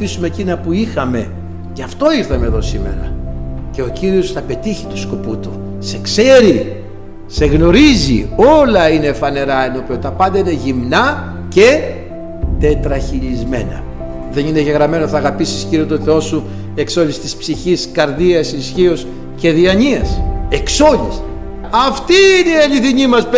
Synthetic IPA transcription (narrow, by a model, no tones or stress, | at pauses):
isume̞ːcinɐpuixɐme̞ | ceɐft̪o̞iɾθɐme̞ðo̞sime̞̰ɾɐ̰ce̞ociɾio̞sθɐpe̞t̪içi̥t̪u̥sko̞put̪u | se̞kse̞ɾi | se̞ɣno̞ɾizḭo̞lɐine̞fɐne̞ɾɐenopeot̪ɐpɐnd̪ɐine̞ʝimnɐ | ce̞ | t̪e̞t̪ɾɐçilizme̞̰nɐ̰ | ðe̞nine̞ʝe̞ɣɾɐme̞noθɐːɣɐpisisciɾiot̪oθe̞o̞su | e̞kso̞list̪ispsiçiskɐɾðiɐsisçio̞s | ce̞ðiɐɲiɐse̞kso̞lis | ɐft̪iːniɐʎiθiɲimɐs